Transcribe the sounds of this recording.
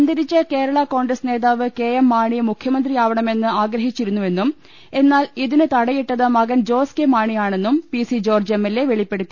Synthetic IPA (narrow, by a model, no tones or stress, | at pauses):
ɐnd̪ɐɾit͡ɕːɐke̞ːɾɐɭɐko̞ːɳɡɾɐsne̞ːðaːʋɨke̞ːjemːaːɳimukʰjɐmɐnd̪riaːʋɐɳɐme̞nːɨaːɡɾɐɦit͡ɕːiɾunːuʋe̞nːum | e̞nːaːliðinɨt̪ɐɽɐjiʈːɐðɐmɐɡɐnd͡ʑo̞ːskemaːɳijaːɳe̞nːumpisid͡ʑo̞ːrd͡ʑemːelːe̞ʋe̞ɭipːe̞ɽut̪ːi